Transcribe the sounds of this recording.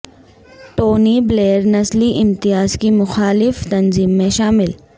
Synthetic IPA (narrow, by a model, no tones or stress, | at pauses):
ʈoːnibleːəɾnɐsliʔɪmt̪ɪjaːzkimʊxaːlɪft̪ɐnziːmːẽʃaːmɪl